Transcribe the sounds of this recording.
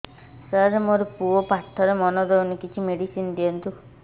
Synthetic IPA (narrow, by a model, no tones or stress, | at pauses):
səɾmoɾɔpuɔpaʈʰːɔɾemɔnɔd̪ewnikit͡ʃʰimeɖisind̪ijɔnt̪u